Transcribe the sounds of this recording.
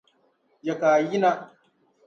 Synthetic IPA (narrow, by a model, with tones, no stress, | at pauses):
ja˨kaː˨ji˦na˦